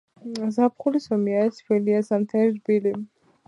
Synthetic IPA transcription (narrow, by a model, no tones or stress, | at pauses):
zap̚χulisɔmiaɛsfiliasamt̪ʰɛɾiɾbili